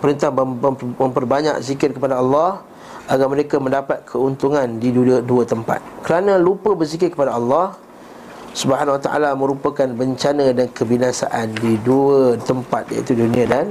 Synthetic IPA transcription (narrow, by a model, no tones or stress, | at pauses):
pəɾənt̪ahmə̃mpərbaɲa̰k̚zikɪrkəpadaɑlːɑh | ʔaɡaməɾekamə̃ndapat̪̚kʰəunt̪uŋandiduət̪əmpa̰t̪̚kəɾanə̃lupəbərzikɪrkəpadaɑlːɑh | subəɦanwat̪a̰ʔa̰lamə̃ɾupakanbəɲt͡ʃanə̃dankəbinasa̰ʔandiduət̪əmpat̪̚ja̰ḭt̪udunĩadan